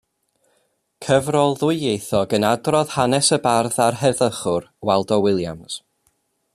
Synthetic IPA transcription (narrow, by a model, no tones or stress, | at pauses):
kʰəvrɔlˠðʊɨjejθɔɡənadrɔð̥hanɛsəbarðarɦɛðəχʊrwɛlˠdɔwɪlˠja̰ms